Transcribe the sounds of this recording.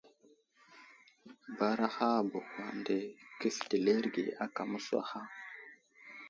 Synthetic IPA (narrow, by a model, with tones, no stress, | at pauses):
ba˦ɾa˦xa˦˨bu˨xwa˨nde˨ki˦sti˨le˦ɾɡḛ˨a˦ka˨mu˦swa̰˦xa˦